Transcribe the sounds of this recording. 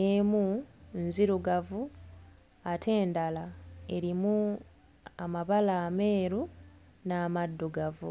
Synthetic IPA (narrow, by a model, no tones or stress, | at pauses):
emunziɾuɡavu | atʰe̞ːndalae̞ɾimu | amaβalaːme̞ːɾu | naːmadːuɡavṵ